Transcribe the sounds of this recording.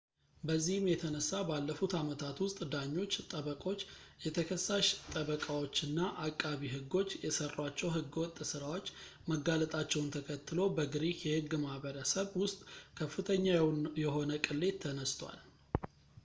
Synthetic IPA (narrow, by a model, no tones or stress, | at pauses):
bəzːihɨmjɛt̪ʰənəsːabalːəfut̪amət̪ʰat̪wʊst̪ʼd̪aɲːo̞t͡ʃːt̪ʼəβəkʼo̞t͡ʃːjɛt̪ʰəkʰəsːaʃt̪ʼəβəkʼawot͡ʃːɨnːaʔakʼːaβiɦɨɡːo̞t͡ʃːjɛsərwat͡ʃːɛwɦɨɡwɔt̪ʼːsɨɾawo̞t͡ʃː | məɡalət̪ʼat͡ʃːɛwʊnt̪ʰəkʰət̪ʰːɨlo̞bəɡɨɾihjɛhɨɡːmahβəɾəsəβwʊst̪ʼkʰəfːɨt̪ʰəɲːawjɛɦo̞nəkʼɨlːe̞t̪ʰːənəst̪ʰwa̰l